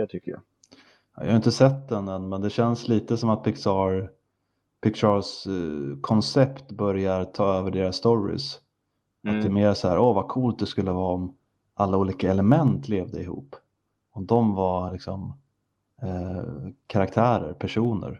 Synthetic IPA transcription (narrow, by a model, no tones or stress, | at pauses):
ɛt̪ʰʏkːəja̰ | jɑ̰hajɪnt̪əsɛt̪d̪ɛnɛnmɛnd̪ɛɕɛnsliːt̪əsɔmat̪̚pʰɪksɑɾ | pʰɪkʃɑlskʰɔnsɛpt̪bœɾjaɾt̪ʰɑːøːvəɖeːɾassːt̪ɔɾɪ̰s | ʔat̪̚d̪ɛːmeːɾsahæːɾʔɔvakʰuːlt̪̚d̪ɛskɵlːəvɑːɔm | ʔalːauːliːkaɛləmɛnt̪ʰleːvd̪əɪhṵːpː | ɔmd̪ɔmvalɪksɔm | kʰaɾak̚t̪ʰæːɾə̰ɾpʰæʂuːnə̰ɾ